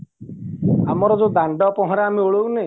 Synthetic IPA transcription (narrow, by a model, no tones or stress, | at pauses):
amɔɾɔd͡ʒod̪aɳɖɔpɔɦɔ̃ɾeamioɭowne